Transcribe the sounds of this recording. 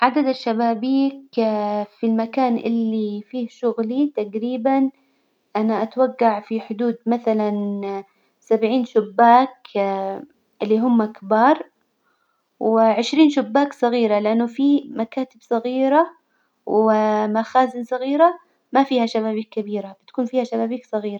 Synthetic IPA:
ʕad̪ad̪aʃːabaːbiːk | filmakaːnʔɪ̰lːifiːhʃʊɣlit̪aɡɾiːban | ʔanaʔat̪waɡːaʕfiħʊd̪uːd̪maθalan | sabʕiːnʃʊbːaːk | ʔɪlːiɦʊmːakbɑːɾˤ | wɪʕɪʃɾiːnʃʊbːaːksˤɑɣiːɾalɪʔanːʊfimakaːt̪ɪbsˤɑɣiːɾa | wɪmaxaːzɪnsˤɑɣiːɾa | mafiːhaʃaβaːbiːkːabiːɾabɪt̪ḁkuːnfiːhaʃabaːbiːksˤɑɣiːɾa

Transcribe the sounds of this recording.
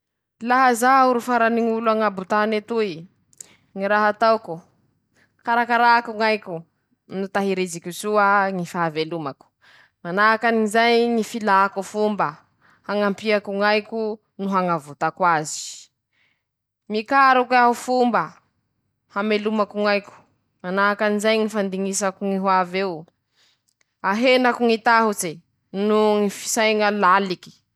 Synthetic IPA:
laɦazauɾufaɾaniŋuluaŋabut̪anet̪ui | ŋiɾaɦat̪awku | kaɾakaɾakuŋajku | nut̪aɦiɾizikusuaŋifaavelumaku̥ | manakaniŋizajŋifilakufumba | haŋampiakuŋajku | nuɦaŋavut̪akwazi̥ | mikaɾukweaɦufumba | hamelumakuŋajku̥ | manakanizajŋifand̪iŋisakuŋiɦwavew | aɦenakuŋit̪aɦut͡se | nuŋifi̥sajŋalaliki̥

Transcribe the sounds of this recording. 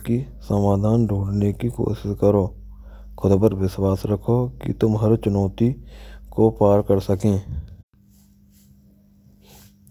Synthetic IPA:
ki | səmaːd̪ʱaːnɖʱuːɽnekiko̰ːʃɪskəɾoː | kʰʊd̪bəɾʋɪswaːsɾəkʰokḭt̪ʊmɦəɾt͡ʃʊnɔːt̪ikopaːɾkəɾsəkẽː

